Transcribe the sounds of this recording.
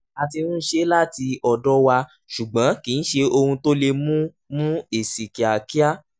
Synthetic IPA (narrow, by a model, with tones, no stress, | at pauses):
a˧ti˧nũ˦ʃe˦la˦ti˧ɔ˨dɔ˦wa˧ | ʃu˨ɡ͡bã˨˦kĩ˨n̩˦ʃe˧o˧hũ˧to˦le˧mũ˦ | mũ˦e˨si˨ki˨a˨ki˦a˦